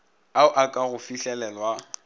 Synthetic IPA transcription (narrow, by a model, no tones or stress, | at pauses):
aʊʔakʼaɣʊfiɬɛlɛlwa